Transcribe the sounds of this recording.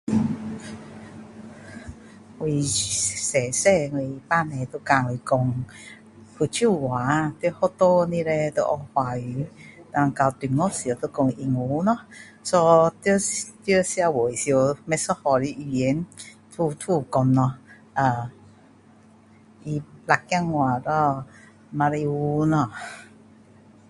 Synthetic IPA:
wi˨sɛ˨sɛ˥˧i˨pa˦˧˨mɛ̃˨˧t̪o˧ka˧˨wi˨˧kɔ˧ŋ | hu˧t͡ɕʰu˥˩˨wa˨˦t̪hɔ˥˦t̪o˦nĩ˧le˧t̪o̰˧˦ʔɔ˧hwa˧y˨˦t̪a˧ŋka˧wt̪i˨nŋɔ˦sjt̪o˧kɔ˧ŋi˧ŋu˨˦nɔ̃˧˦ | sɔ˧t̪t̪ə˦si˧a˧wo˨i˨si˧o˧mɛ˧sɔ˦hɔ˧li˧˦ʔi˧je˨˦nt̪ʰu˧t̪ʰu˥˧˨kɔ˧nːɔ˧ | ʔa˨˧˩ | ʔi˧la˧kːja˥˧ŋːwa˨˩ɾɔ˧ | ma˧ɾi˧u˧nɔ˧˨

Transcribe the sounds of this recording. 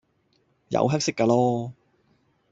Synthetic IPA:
jɐ̰˨˧wɦɐ˥k̚sɪ˥kːaː˧lɔː˥

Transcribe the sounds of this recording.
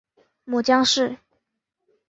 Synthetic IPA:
mu˨˩t͡ɕjɑ˥ŋʂɻ̩˥˩

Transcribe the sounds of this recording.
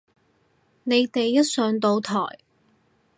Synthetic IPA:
ne˨˧jt̪e˨jːɐ˥t̚sœː˨˧ŋt̪o˧wt̪ʰɔ̰ː˨˩j

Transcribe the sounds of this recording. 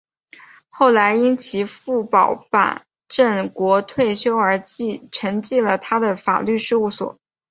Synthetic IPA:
xo˥˩ʊla˧˥ɪi˥nt͡ɕʰi˧˥fu˥˩pɑ˨˩ʊpa̰˨˩˦n | ʈ͡ʂə˥˩nkwɔ˧˥t̪ʰwe˥˩ɪɕjo˥ʊə˞˧˥t͡ɕi˥˧ʈ͡ʂʰə˧˥ŋt͡ɕi˥˩lə˩t̪ʰa˥d̪ə˨fa̰˨˩ly˥˧ʂɻ̩˥˧u˥˩swɔ̰˨˩˦

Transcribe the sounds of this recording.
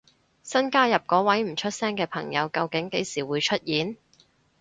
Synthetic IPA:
sɐ˥nkaː˥jɐ˨p̚kɔː˨˥wɐ˨˥jm̩˨˩t͡ʃʰɵ˥t̚sɛː˥ŋkɛː˧pʰɐ˨˩ŋjɐ˨˧wkɐ˧wkɪ˨˥ŋke˨˥jsiː˨˩wuː˨˧jt͡ʃʰɵ˥t̚jiː˨˥n

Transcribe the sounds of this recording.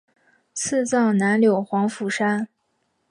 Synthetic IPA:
t͡s̩ʰ˥˧t͡sɑ˥˩ʊna˧˥nljo˨˩ʊxwɑ˧˥ŋfu˨˩ʂa˥n

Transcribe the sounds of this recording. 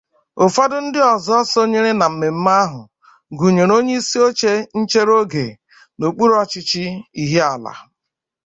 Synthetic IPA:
o˨fa˦dʊ˦n̩˦dɪ˦ɔ˨zɔ˦ɔ˦so˦ɲe˦ɾe˦na˨m̩˨me˨m̩˦ma˦a˦ɦʊ̰˨ | ɡu˨ɲe˨ɾo˦ɲe˦i˦si˦o˦t͡ʃe˦n̩˦t͡ʃe˦ɾo˦ɡe˨ | no˨k͡pu˦ɾɔ˦t͡ʃɪ˦t͡ʃɪ˦i˦ɦe˦a˨la̰˨

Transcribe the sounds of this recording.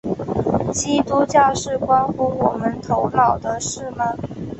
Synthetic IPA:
t͡ɕi˥t̪u˧˥t͡ɕja˥˧ʂɻ̩˥˩kwa˥nxu˧˥wɔ˨˩mə˦nt̪ʰo˧˥ʊlɑ˨˩ʊd̪ə˦ʂɻ̩˥˩mə˩

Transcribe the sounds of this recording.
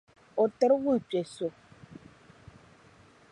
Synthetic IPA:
o˨tə˦ɾwə˦˨pe˨so˨

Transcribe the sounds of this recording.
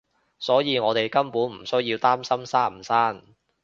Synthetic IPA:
sɔː˨˥jiː˨˧ŋɔː˨˧t̪e˨jkɐ˥mpuː˨˥nm̩˨˩sɵ˥ɥjiː˧wt̪aː˥msɐ˥msaː˥m̩˨˩saː˥n

